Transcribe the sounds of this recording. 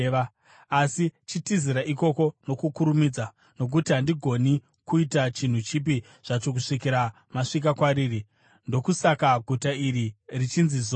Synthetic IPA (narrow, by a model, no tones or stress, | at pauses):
a | asit͡ʃitiziɾaʔiko̞ko̞no̞kukuɾumid͡za | no̞k̬utiɦandiɡʱo̞ni | kuitat͡ʃin̤ut͡ʃip̬i | ʐ̥at͡ʃo̞k̬uʂikiɾa | maʂik̬akwaɾiːri | ndo̞kusakaɡʱutaiɾirit͡ʃinzizo